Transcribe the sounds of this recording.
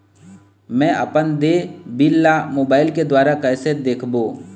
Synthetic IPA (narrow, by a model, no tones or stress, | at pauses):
mɛ̃ːʔɐ̰pənd̪ebɪlːamoːbaːɪlked̪waːɾakɛːsed̪eːkʰboː